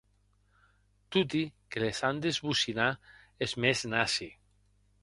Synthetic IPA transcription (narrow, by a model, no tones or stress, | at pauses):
t̪ut̪ikelesand̪ezβusina | ezmeznasi